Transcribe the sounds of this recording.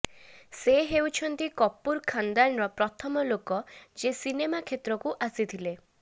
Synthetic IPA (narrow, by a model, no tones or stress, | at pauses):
seɦewt͡ʃʰɔnt̪ikɔpːuɾkʰand̪anɾɔpɾɔt̪ʰɔmɔlokɔd͡ʒesinemakʰet̪ɾɔkuʔasit̪ʰile